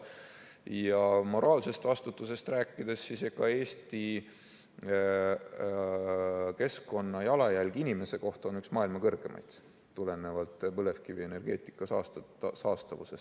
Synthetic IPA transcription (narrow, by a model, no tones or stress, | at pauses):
jɑmo̞ɾɑːlse̞st̪vɑst̪ut̪ːˑuse̞st̪ræːkˑːid̪̥esːisjɑkɑe̞ːst̪i | ke̞sko̞nːɑjɑlɑjælɡ̥inʲime̞se̞ko̞ht̪o̞nyksmɑːilmɑkɤrɡ̥e̞mʔɑ̰jd̪̥ː | ule̞nevɑlt̪ːˑpɤle̞fkivie̞ne̞rɡ̥e̞̰ːt̪ˑi̥kːˑɑsɑst̪ | sɑːst̪ɑvuse̞st̪